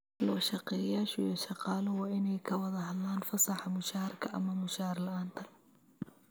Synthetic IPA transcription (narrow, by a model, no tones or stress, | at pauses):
lɔːʃɑqɛjaːʃjɔʃɑqɑːlɔwɑːɪnɛjkʰɐwɐðɐɦɐd̪aːnfɐsɑħɑmʊʃaːrkʰɐʔɐ̰mɐmʊʃaːrlɐʔaːnt̪ʰɐl